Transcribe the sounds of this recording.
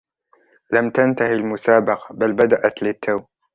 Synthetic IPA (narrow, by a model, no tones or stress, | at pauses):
lamt̪ant̪ahilmʊsaːbɑqɑbalbad̪aʔat̪lɪt̪ʰːaw